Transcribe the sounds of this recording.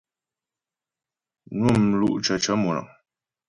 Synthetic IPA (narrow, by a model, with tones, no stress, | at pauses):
nwu˦˨mlṵ˦ʔt͡ʃə˨t͡ʃə˨˦mu˨na̰˨ŋ